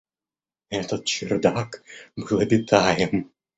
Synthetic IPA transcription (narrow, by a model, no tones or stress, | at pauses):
ɛt̪ɐt̪̚t͡ʃɪrd̪akbɨlˠɐbʲɪt̪ʰajɛm